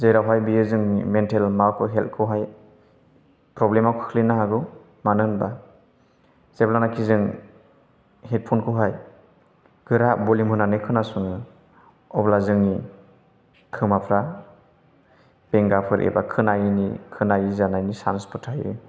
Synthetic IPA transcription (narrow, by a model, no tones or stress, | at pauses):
zejɾawɦajbijezɯŋimentelmawkʰɯwɦelt̚kʰɯwɦaj | pɾɔblemawkʰɯ̥kʰlinaɦaɡɯw | manɯnba | zeblanakʰizɯŋ | het̚pʰunkʰɯwɦaj | ɡ̥ɯɾabɔlimhɯnanɯjkʰɯnasuŋɯ | ɔblazɯŋni | kʰɯmapʰɾa | b̥eŋɡapʰɯɾʔḛbakʰɯnajnikʰɯnajizanajnisanspɔtʰajɯ̰